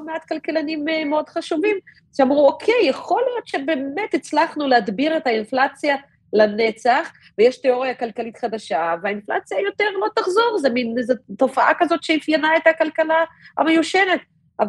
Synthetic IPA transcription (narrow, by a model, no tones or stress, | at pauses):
meat̪kalkelanimːeo̞d̥χaʃuvim | ʃeamʁuokʰejːeχo̞ljo̞d̪ʃebe̞metit͡slaχnulehad̪biʁetainflat͡sja | lane̞t͡saχ | vejeʃteo̞ʁjakalkalit̪χad̪aʃaveainfla̰t͡sjajo̞t̪eʁlot̪aχzo̞ʁzeminzeto̞faʔakazo̞tʃeifjanae̞t̪hakalkalaa̰mejuʃenet̪ | av